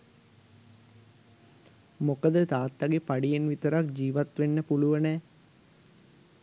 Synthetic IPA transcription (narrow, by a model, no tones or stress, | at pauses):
mokəd̪ət̪aːt̪ːaɡepaɖijenʋit̪əɾakd͡ʒiːʋat̪ʋenːəpuluʋənɛː